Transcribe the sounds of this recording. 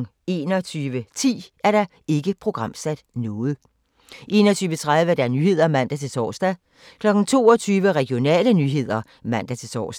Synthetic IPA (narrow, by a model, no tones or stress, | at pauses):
e̝ːnɒt͡sʰyːʋət͡sʰḭːæɐɾ̥ɑ̈ | e̝ɡ̥əpʰʁo̝ɡ̥ʁɑ̈m̰sæd̥nɔ̽ːð̞̩ˠ | ʔe̝ːnɐt͡sʰyːʋət͡sʰʁað̞ˠʋəæɐdɑnyːhe̝ð̞̰ˠɐmæn̰d̥æt͡sʰe̝lsʰɒ̰ːsd̥æ | kʰlɒ̽ɡ̥n̩t͡sʰo̝̰ːɒt͡sʰyːʋəʁɛɡ̥jo̝nɛ̰ːlənyːɦe̝ð̰ˠɐ | mæn̰d̥æt͡sʰe̝sʰɒ̰ːsd̥